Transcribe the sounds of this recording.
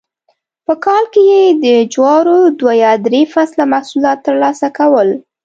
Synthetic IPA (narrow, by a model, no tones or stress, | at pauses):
pəkɑlkejed̪əd͡ʒwɑɾod̪wajɑd̪ɾefaslamahsulɑt̪ːəɾlɑsakawəl